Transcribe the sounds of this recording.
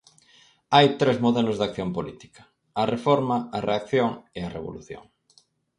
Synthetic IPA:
ajt̪ɾezmoðɛlʊzðak̚θjompolit̪i̥kɐ̥ | ɐrefoɾmɐɐreakθjoŋeɐreβo̰lṵθjo̰ŋ

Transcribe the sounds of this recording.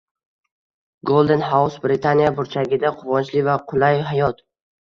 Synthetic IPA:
ɡolˠd̪e̞nɦawsbɾɪt̪ʰanijabʊɾt͡ʃʰaɡʲɪd̪aqʰʊvɒnt͡ʃlɪvaqʰʊlˠajɦajɒt̪

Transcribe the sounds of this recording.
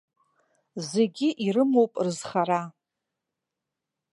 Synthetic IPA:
ze̞ɡʲiʔirɨmowpʼrɨzχaɾa

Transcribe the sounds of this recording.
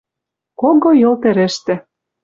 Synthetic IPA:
koɣojɤ̆lt̪ĕɾɘ̆ʃt̪ɘ̆

